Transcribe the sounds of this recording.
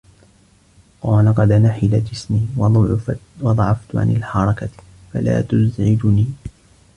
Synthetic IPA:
qɑːlɑqɑd̪ʔanaħɪlad͡ʒɪsmiː | wɑd̪ˤʕɑft̪ʊʕa̰nɪ̰lħɑɾˤɑka | fa̰la̰ːt̪ʊzʕɪd͡ʒʊniː

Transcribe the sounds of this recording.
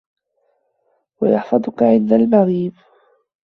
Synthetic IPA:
wajɑħfɑd̪ˤʊkaʕɪnd̪almɑɣiːb

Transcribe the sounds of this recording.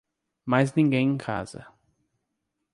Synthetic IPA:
majznĩŋɡẽj̃ẽkʰa̰zɐ̰

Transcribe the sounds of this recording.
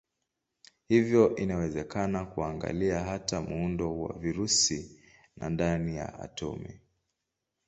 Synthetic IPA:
hivjɔʔinawɛzɛkanakuaŋɡa̰liaɦatamuundɔwa̰viɾusi | na̰ndanija̰a̰tʰɔ̰mḭ

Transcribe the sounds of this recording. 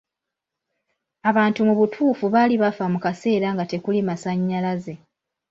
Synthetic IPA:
aβaːntumuβutʰuːfuβaːliβafamukase̞ːɾaŋɡate̞kulimasaɲːalaze̞

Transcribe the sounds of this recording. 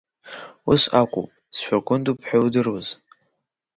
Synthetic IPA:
usakʷʼṵpʼsʃʷᶣarkʷʼʊndupʰħawdɨrwoz̥

